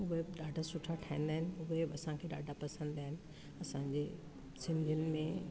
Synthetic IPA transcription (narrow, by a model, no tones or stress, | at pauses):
ʊɦeɗaːɖʱasʊʈʰaʈʰaːĩːn̆d̪aːɦɪnɪ̆ʊɦeɐsãkʰeːɗa̰ːɖʱapɐsə̃nd̪aːɦɪnɪ̆ | ɐsãɲd͡ʑe | sɪ̃nd̪ʱiʊnɪ̆mẽ